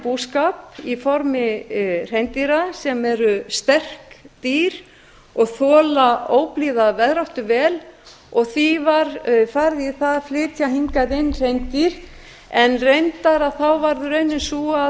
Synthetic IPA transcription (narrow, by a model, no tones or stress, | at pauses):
puːskapifɔɾmɪr̥ejnt̪iɾasɛmɛɾʏst̪ɛr̥kt̪iːɾ | ɔɣθɔːlaoːwpliːðavɛðɾawht̪ʏvɛːl | ɔɣθivaɾfaɾðiθaðflɪːt̪jaɦiŋkaðɪnːr̥ejnt̪iɾ̥ | ɛnrejnt̪aɾaðθawvaɾðʏɾœɥnːɪnsua